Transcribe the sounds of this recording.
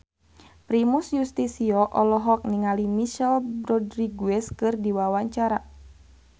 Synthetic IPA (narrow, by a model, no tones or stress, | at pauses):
pɾimusjust̪isiɔʔɔlɔɦɔk̚niŋalimiʃɛlbɾɔdriɡuɛskɨrdiwawaɲt͡ʃaɾa